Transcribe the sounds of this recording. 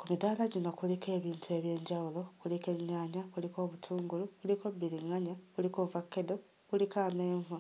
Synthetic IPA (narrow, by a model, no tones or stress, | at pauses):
kumidaːlaɟino̞kulike̞ːβiːntue̞βje̞ːɲɟawulo̞kulike̞ɲːaːɲaβuliko̞ːβutʰuːŋɡuluβulikobiɾiŋːaɲaβulikovakːedo | βulikaːmeːɱvu